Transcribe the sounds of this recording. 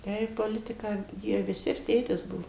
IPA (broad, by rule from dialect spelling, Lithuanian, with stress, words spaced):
ˈtɐɪ poːˈlʲɪtʲɪkɑː ˈjiɛ ʋʲɪˈsʲɪ ɪr ˈtʲeːtʲɪs ˈbuɔ